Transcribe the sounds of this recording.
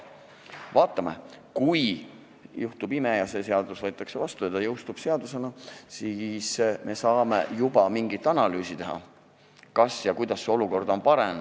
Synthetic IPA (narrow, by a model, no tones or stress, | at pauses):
vɑːt̪ːˑɑmḛkuj | juht̪ubimejɑse̞ːse̞ɑd̪̥usvɤjt̪ˑːɑkse̞vɑst̪ut̪ɑjɤwst̪ub̥se̞ɑd̪use̞nɑsismʔe̞sɑːme̞̰jubɑmiŋɡ̥it̪ːˑɑnɑlyːsit̪e̞ɦɑ̰ | kɑsjɑkujd̪̥ɑsːeo̞luko̞rd̪̥o̞npɑɾem